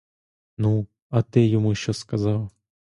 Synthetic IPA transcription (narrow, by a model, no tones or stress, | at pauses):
nu | ɐt̪ɨjɪmuɕoskɐzɑwˠ